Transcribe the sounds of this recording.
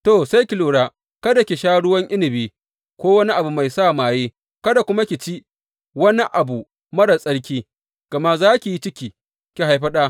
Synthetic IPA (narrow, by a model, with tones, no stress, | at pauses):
to˨sa˦jkʲi˨luː˨ɽaː˦ | kɐ˦da˨kʲi˨ʃaː˦ɽʊ˦wɐ˦ŋʔɪ˦nɪ˨biː˦ | kʷoː˦wɐ˦ni˦ʔa˨bu˨ma˨jsa˦˨maː˨jiː˦ | kɐ˦da˨kʷʊ˦ma˦kʲi˨t͡ʃi˦ | wɐ˦ni˦ʔa˨bu˨ | mɐ˦ɽa˨sʼɐ˦ɽkʲiː˦ | ɡ̥ɐ˨ma˦zaː˦kʲi˨ji˦t͡ʃɪ˦kʲiː˨ | kʲi˨ɦa˨jɸɐ˦ɗaː˦